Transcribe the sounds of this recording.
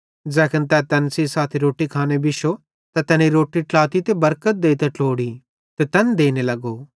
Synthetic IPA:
d͡ʒɛːkʰənt̪ɛt̪ɐnsisaːt̪ʰiɾoːʈikʰaːnebɪʃo | t̪at̪ɛniɾoːʈiʈlaːt̪it̪ebɐɾkət̪̚d̪eːit̪ɛʈloːɽi | t̪et̪ɐnd̪eːnelɐɡoː

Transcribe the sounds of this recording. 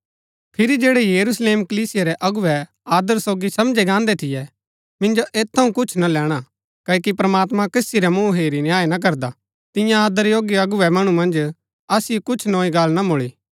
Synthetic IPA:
pʰɪɾid͡ʒeːɽɛjɐɾusleːmkɐliːsɪjaɾɛʔɐɡʊʋɛ | aːd̪əɾsoːɡisɐmd͡ʒeɡãːnd̪ɛt̪ʰɪjɛ | mɪ̃nd͡ʒoʔeːt̪ʰːɐɦũkʊt͡ʃʰnalɛːɽ̃a | kɐːkipɾɐmaːt̪mãkɐsiɾɛmũːɦeːɾinjaːenɐk̬ɐɾd̪a | t̪ɪ̃jãaːd̪əɾjoːɡiɐɡʊʋɛmɐɽ̃umɐ̃nd͡ʒ | ɐsɪokʊt͡ʃʰnõːiɡɐlnamoɭiː

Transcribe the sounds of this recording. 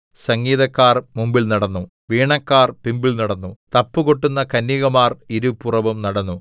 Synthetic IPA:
sɐŋɡiːðɐkːaːrmumbilnɐɽɐnːu | ʋiːɳɐkːaːrpimbilnɐɽɐnːut̪ɐpːukoʈːunːɐkɐnːiɣɐmaːriɾupurɐʋumnɐɽɐnːu

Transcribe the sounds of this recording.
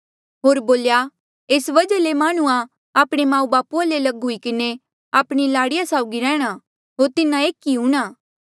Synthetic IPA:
ɦoːɾboːlja | eːsʋɐd͡ʒəlemaːɽ̃ʊã | aːpɽ̃emãːũbaːpualelɐɡɦʊikɪne | aːpɽ̃ilaːɽɪjasaːʊɡiɾɛ̃ːɽ̃a | ɦoːɾt̪ɪnãeːkiɦuɽ̃aː

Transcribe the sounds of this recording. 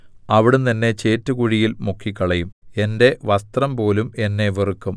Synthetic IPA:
ɐʋiɽut̪ɐnːe̞t͡ɕe̞ːtːɨkuɻijilmukʰːikːɐɭɐjume̞nde̞ʋɐst̪rɐmpo̞ːlume̞nːe̞ʋerukːum

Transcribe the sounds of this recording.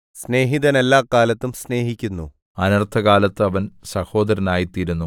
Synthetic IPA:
sne̞ːɦiðɐnelːaːkaːlɐt̪ːumsne̞ːɦikʲːunːṵ | ɐnɐrt̪ʰɐɣaːlɐt̪ːɨɐʋɐnsɐho̞ːd̪ɐɾɐnaːjit̪ːiɾunːu

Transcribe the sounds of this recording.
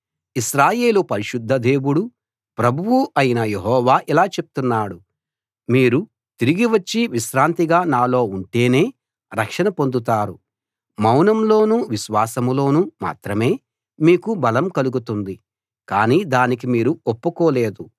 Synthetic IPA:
iʃɾaːje̞ːlupɐɾiʃud̪ʱːɐd̪e̞ːwuɽu | pɾɐbʱuwuʔɐjinɐje̞ɦɔːʋaːʔilaːt͡ʃe̞p̚t̪unːaːɽu | miːɾu | t̪iɾiɡiʋɐt͡ʃːiʋiʃɾaːnt̪iɡaːnaːlo̞ːuɳʈe̞ːne̞ː | ɾɐkʂɐnɐpo̞nd̪ut̪aːɾu | mɐwnɐmlo̞ːnuʋiʃʋaːsɐmlo̞ːnuma̰ːt̪ɾɐme̞ː | miːkubɐlɐmkɐluɡut̪und̪i | kaːniːd̪aːnik̬imiːɾuopːukoːle̞ːd̪u

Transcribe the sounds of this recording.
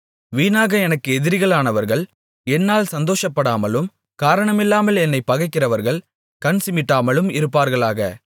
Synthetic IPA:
ʋiːnaːɣɐɛnɐkːɯɛðɪɾɪɣɐɭaːnɐʋɐɾɣɐɭ | ɛnːaːlsɐnd̪oːʂɐpːɐɽaːmɐlɯm | kaːɾɐɳɐmɪlːaːmɐlɛnːɐɪpːɐɣɐɪkːɪrɐʋɐɾɣɐɭ | kɐnsɪmɪʈːaːmɐlɯmɪɾɯpːaːɾɣɐɭaːɣɐ̰

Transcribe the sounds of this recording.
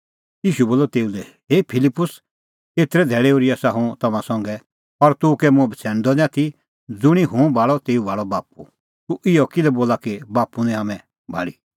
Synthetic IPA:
jiːʃuboːlːɔt̪eːulɛ | ɦeːpʰɪlɪpːʊs | eːt̪ɾɛd̪ʱɛːɭeoːɾiasaɦũt̪ɐmãsɔ̃ŋɡɛ | pɐɾt̪ukɛmʊ̃ɛbʱit͡sʰɛːñd̪ɔnɛãt̪ʰi | d͡zʊɽ̃iɦʊ̃bʱaːɭɔt̪eːubaːɭɔbaːp̚u | t̪uʔɪjɔkɪlɛboːlakibaːpːunɛ̃aːmɛ̃ | bʱa̰ːɭi

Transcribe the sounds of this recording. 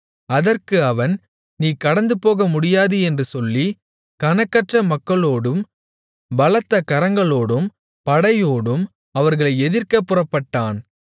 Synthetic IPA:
ɐðɐrkɯɐʋɐn | niːkɐɽɐnd̪ɯpoːɣɐmʊɽɪjaːðɯɛndrɯsɔlːi | kɐnɐkːɐʈrɐmɐkːɐɭoːɽɯm | bɐlɐt̪ːɐkɐɾɐŋɡɐɭoːɽɯm | pɐɽɐjoːɽɯm | ɐʋɐɾɣɐɭɐɪɛðɪrkɐpːɯrɐpːɐʈːaːn

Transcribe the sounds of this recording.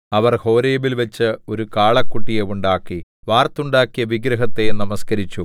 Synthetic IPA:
ɐʋɐrho̞ːɾejɐʋilʋɐt͡ɕːɨo̞ɾukaːɭɐkːuʈːijeuɳɖaːkːi | ʋaːrt̪ːuɳɖaːkːijɐʋiɡɾɐɦɐt̪ːenɐmɐskɐɾit͡ɕːu

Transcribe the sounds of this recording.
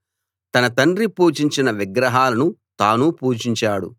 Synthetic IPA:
t̪ɐnɐt̪ɐɳɾipuːt͡ʃiɲt͡ʃinɐʋiɡɾɐɦaːlɐnut̪aːnupuːt͡ʃiɲt͡ʃaːɽṵ

